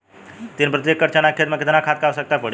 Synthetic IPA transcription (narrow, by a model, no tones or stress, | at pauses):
t̪inpɾət̪jekːəɾt͡ʃanak̚ʰet̪meket̪ʰnakʰat̪̚kawsək̚t̪apəɽ